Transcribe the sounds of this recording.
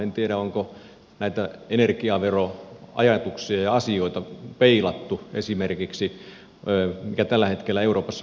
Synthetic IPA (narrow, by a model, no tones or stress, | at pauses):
ent̪ieɾæoŋko | næit̪æenerkiɑʋeroɑ̰jɑt̪uksiɑjɑɑsioit̪ɑpeilɑt̪ːuḛsimerkiksiː | mikæt̪ælːæhet̪kelːæeuroːpɑsː